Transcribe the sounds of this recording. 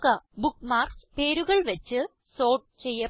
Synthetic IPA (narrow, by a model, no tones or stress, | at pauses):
kːɐbukːmaːrkspeːɾuɣɐɭʋɐt͡ɕːɨ | so̞ːʈ̚t͡ɕejːɐ